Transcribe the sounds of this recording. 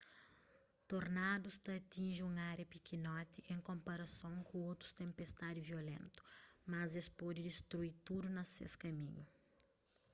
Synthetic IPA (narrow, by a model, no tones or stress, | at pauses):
t̪oɾnad̪ust̪ɐːt̪ĩnʒiũŋaɾjɐpikinɔt̪iʔẽŋkõmpɐɾɐsõŋkʰũowt̪ɾu̥st̪ẽmpest̪ad̪ɪviolḛ̃nt̪ʊ̥mɐzespɔd̪id̪ist̪ɾuit̪ud̪unɐsḛskɐmĩɲu